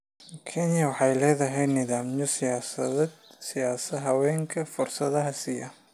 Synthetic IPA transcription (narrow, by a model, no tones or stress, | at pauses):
kʰɛnjɐwɑħɑjlɛːðɐɦɛj̪nɪðaːmjɔsɪjaːsɐ̰ðɛːd̪sɪjaːsɐɦɐwɛːŋkʰɐfʊrsɐðɐɦɐsɪjɐ